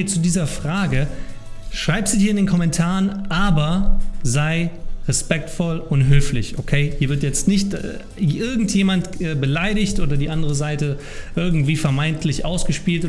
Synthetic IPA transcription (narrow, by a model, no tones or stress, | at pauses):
t͡sudiːzɐfʁ̥aːɡə | ʃʁ̥aɪpz̥uːhiːɐɪndeːnkʰɔmɛntʰaːʁənʔaːbɐzaɪʁɛspɛk̚tfɔlʊntɦøːflɪ̰çʔokʰeɪhiːɐvɪɐtjɛt͡stnɪçt | ʔɪɐɡŋ̩tjeːmantɛːbəlaɪɾɪçtʔoːdɐdiːʔandəʁəzaɪtə | ʔɪɐɡŋ̩tv̥iːfɛɐmaɪntʰlɪçʔa̰ʊsɡ̥əʃpiːlt